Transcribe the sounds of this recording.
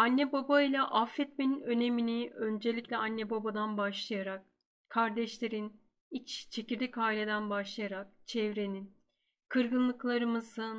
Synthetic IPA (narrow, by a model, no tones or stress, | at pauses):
anːɛbobailʲˠaʔafːɛt̪̚meninø̞ne̞miniø̞nd͡ʒe̞lʲicʲlʲɛanːɛbobad̪anbaʃlˠajaɾak | kʰːaɾd̪ɛʃlʲe̞ɾin | it͡ʃt͡ʃʰe̞ciɾd̪ʲicaːilʲe̞d̪ænbaʃlˠajaɾak̚t͡ʃʰɛvɾe̞nin | kʰɯɾɡɯnlˠɯklˠaɾɯmɯzɯn